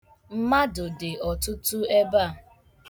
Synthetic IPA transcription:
m̩˦ma˦dʊ˨dɪ˨ɔ˨tʊ˦tʊ˦e˦ba˦˨

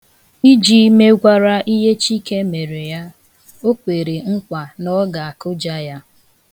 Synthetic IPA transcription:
i˦d͡ʒi˦me˦ɡʷa˦ɾa˦ʔi˦ɦe˦t͡ʃi˦ke˦me˨ɾe˨ja˦ | o˦kʷe˨ɾe˨ŋ̩˦kʷa˨nɔ˦ɡa˨a˨kʊ˦d͡ʒa˦ja˦

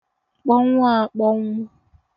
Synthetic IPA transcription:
k͡pɔ˦ŋʷ˦a˦˨k͡pɔ˦ŋːa˦

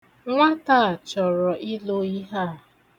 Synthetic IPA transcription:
ŋʷa˦ta˦˨t͡ʃɔ˨ɾɔ˨ʔi˦lo˦i˦ɦa˦˨

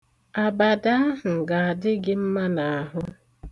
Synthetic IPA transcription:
a˨ba˨da˦˨ŋ̩˨ɡa˨a˨dɪ˦ɡɪ˦m̩˦ma˦na˨a˨ɦʊ˦

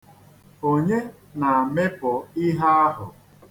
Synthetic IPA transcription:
o˨ɲe˦ | na˨a˨me˦pʊ˨i˦ɦa˦a˦ɦʊ̰˨

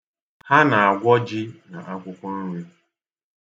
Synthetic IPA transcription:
ha˦na˨a˨ɡʷɔ˦d͡ʒɪ˦na˨ʔa˦kʷʊ˦kʷʊ˦n̩˦ɾu˦

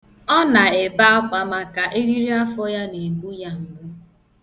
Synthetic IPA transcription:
ɔ˦na˨e˨ba˦a˦kʷa˨ma˨ka˨ʔe˦ɾi˦ɾi˦a˦fɔ˦ja˦ne˨bu˦ja˦m̩˨ɡ͡bʊ˦

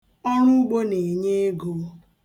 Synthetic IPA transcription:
ɔ˦ɾu˦ɡ͡bo˦ne˨ɲe˦e˦ɡo˨˦

